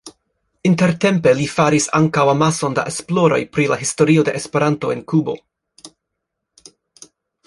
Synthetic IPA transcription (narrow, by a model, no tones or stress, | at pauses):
inte̞ɾte̞mpe̞lifaɾisa̰ŋkawamaso̞nda̰ʔesplo̞ɾo̞̰jpɾilaɦisto̞ɾio̞de̞ʔespe̞ɾanto̞e̞nkubo̞̰